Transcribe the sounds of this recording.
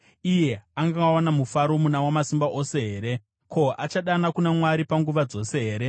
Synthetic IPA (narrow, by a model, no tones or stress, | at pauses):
ije̞aŋɡawanamufaɾo̞munawamasimbaʔo̞se̞ɦe̞ːɾe̞ | kʰo̞ʔat͡ʃaɗanakunamwaɾipaŋɡuʋad͡zo̞se̞ɦe̞ːɾe